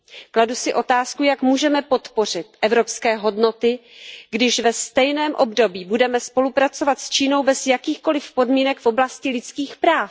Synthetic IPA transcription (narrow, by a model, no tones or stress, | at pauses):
kladusɪʔo̞t̪aːskujakmuːʒɛmɛpo̞t̪po̞r̝ɪt̪ʔɛvɾo̞pskɛːɦo̞dno̞t̪ɪɡdɪʃvɛst̪ɛjnɛːmʔo̞bdo̞biːbudɛmɛspo̞lupɾat͡so̞vat̪st͡ʃiːno̞wbɛzjakiːxko̞lɪfpo̞dmiːnɛkfo̞blascɪlɪt͡skiːxpɾaːf